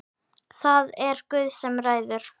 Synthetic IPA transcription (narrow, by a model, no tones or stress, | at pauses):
θaðɛɾkvʏːðsɛmraːjðʏɾ̥